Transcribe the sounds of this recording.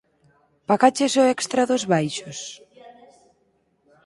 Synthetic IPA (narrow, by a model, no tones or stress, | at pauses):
pakat͡ʃesoɛkst̪ɾaðozβajʃos